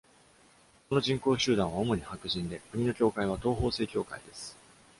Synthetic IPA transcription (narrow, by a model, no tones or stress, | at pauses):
kono̞ʑĩŋko̞ːɕɨːd̪ãɰ̃βaomo̞ɲ̟ihakɯ̟ʑĩnd̪e̞kɯ̟mʲino̞kʲo̞ːkaiβ̞at̪o̞ːɦo̞ːse̞ːkʲo̞ːka̰id̪e̞sɨ̥